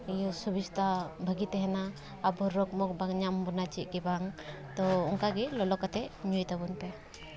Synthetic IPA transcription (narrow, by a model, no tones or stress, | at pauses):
ijɔsubist̪abʱəɡit̪ɛɦɛnaː | bɔɾɔkmɔk̚baŋɲambɔnat͡ʃiʔ̚kɛbaŋt̪ɔɔŋkaɡilɔlɔkat̪ʰɛɲujt̪abunpɛ